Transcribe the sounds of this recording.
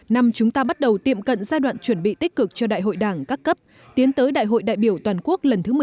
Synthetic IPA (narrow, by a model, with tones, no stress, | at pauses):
na˧mt͡ɕʊ˨˦ŋ͡mt̪aː˧ɓa˦˥t̚ɗə˨˩wt̪ḭ˧˨əmkə̰˧˨nzaː˧jɗwa̰ː˧˨nt͡ɕwə˧˩nɓḭ˧˨t̪ï˦˥k̟̚kɨ˨˩k̚t͡ɕɔ˧ɗa̰ː˧˨jɦo̰˧˨jɗaː˧˩ŋkaː˦˥kːə˦˥p̚ | t̪i˨˦ənt̪əː˨˦jɗa̰ː˧˨jɦo̰˧˨jɗa̰ː˧˨jɓi˧˩əwt̪waː˨˩nku˦˥ək̚lə˨˩nt̪ʰɨ˨˦mɨ˨˩˨